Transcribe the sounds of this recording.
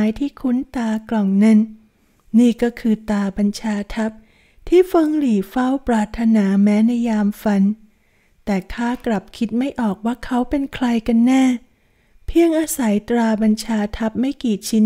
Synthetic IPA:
jt̪ʰiː˥˩kʰu˦˥nt̪aː˧klɔ˨˩ŋne˧˥nː | iː˥˩kɔː˥˩kʰɯː˧t̪aː˧ba˧nt͡ɕʰaː˧t̪ʰa˦˥p̚ | t̪ʰiː˥˩fɤ˧ŋliː˨˩fa˥˩wpɾaː˧t̪ʰːa˧naː˩˦mɛː˦˥na˧jːaː˧mfa˧n | t̪ɛː˨˩kʰaː˥˩kla˨˩p̚kʰi˦˥t̪̚ma˥˩jʔɔː˨˩k̚waː˥˩kʰa˦˥wpe˧nkʰla˧jka˧nːɛː˥˩ | pʰi˥˩əŋʔaː˧sa˩˦jt̪ɾaː˧ba˧nt͡ɕʰaː˧t̪ʰa˦˥p̚ma˥˩jkiː˨˩t͡ɕʰi˦˥n

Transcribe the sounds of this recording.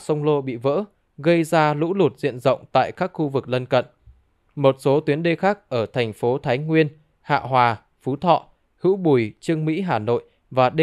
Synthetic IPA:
sə˧wŋ͡mlo˧ɓḭ˧˨və̰ː˧˥ | ɣə˧jzaː˧lṵ˧˥lu˨˩t̚zḭ˧˨ənzə̰˧˨wŋ͡mt̪a̰ː˧˨jkaː˦˥k̚xu˧vɨ˨˩k̚lə˧nkə̰˧˨n | mo˨˩t̚so˨˦t̪wi˨˦ənɗe˧xaː˦˥k̚ʔəː˧˩t̪ʰɛ˨˩ŋ̟fo˨˦t̪ʰaː˨˦jŋwi˧ən | ha̰ː˧˨ɦwaː˨˩ | fu˨˦t̪ʰɔ̰˧˨ | hɨ̰˧˥wɓu˧˩jt͡ɕɨ˧əŋmḭ˧˥ɦaː˨˩no̰˧˨j | vaː˨˩ɗe˧

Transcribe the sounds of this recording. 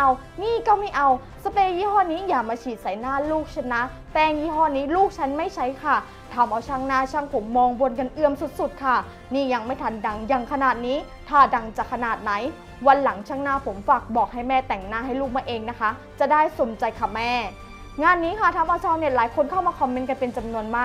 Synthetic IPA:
a˧w | niː˥˩kɔ˥˩wma˥˩jʔa˧w | sa˧peː˧jiː˧˥˩hɔː˥˩niː˦˥jaː˨˩k̚maː˧t͡ɕʰiː˨˩t̪̚sa˨˩˦jnaː˥˩luː˥˩k̚t͡ɕʰa˥˩nːa˦˥ | t̪ɛː˧˩ŋjiː˧˥˩ɦɔː˧˩niː˦˥luː˥˩k̚t͡ɕʰa˦˥nma˥˩jt͡ɕʰa˦˥jkʰa˥˩ | t̪ʰaː˧mʔa˧wt͡ɕʰaː˧˥˩ŋnaː˥˩t͡ɕʰaː˥˩ŋpʰo˨˩˦mːɔː˧ŋbu˧ənka˧nʔɯ˧əmsu˨˩t̪̚su˨˩t̪̚kʰa˥˩ | niː˥˩ja˧ŋma˥˩jt̪ʰa˧nda˧ŋja˧˩ŋkʰa˧naː˨˩t̪̚niː˦˥ | t̪ʰaː˧˩da˧ŋt͡ɕaː˨˩kʰːa˧naː˨˩t̪̚na˩˦j | wa˧nla˨˩˦ŋt͡ɕʰaː˦˥˩ŋnaː˥˩pʰo˨˩˦mfaː˨˩k̚bɔː˨˩k̚ha˥˩jmɛː˥˩t̪ɛ˨˩ŋnaː˥˩ɦa˥˩jluː˥˩k̚maː˧˥˩ʔeː˧ŋna˦˥kʰa˦˥ | t͡ɕa˨˩daː˥˩jso˨˩˦mt͡ɕa˧jkʰa˧˨˩mɛː˥˩ | ŋaː˧nːiː˦˥kʰa˥˩t̪ʰaː˧mʔa˧wt͡ɕʰaː˧wni˧˩laː˨˦jkʰo˧nkʰa˥˩wmaː˧kʰɔ˧mːe˦nk̬a˧npe˧nt͡ɕa˧mnu˧ənmaː˥˩k̚

